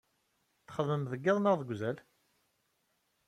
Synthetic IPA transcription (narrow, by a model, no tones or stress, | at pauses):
θə̥χəðəmðəɡːɪðˤnəʁðəɡʷzæl